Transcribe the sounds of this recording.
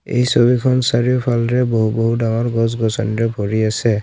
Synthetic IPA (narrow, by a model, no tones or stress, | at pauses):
ḛjsoβikʰɔnsaɹijɔpʰalɹɛboɦuboɦudaŋɔɹɡɔzɡɔsɔniɹɛbʱɔɹiasɛ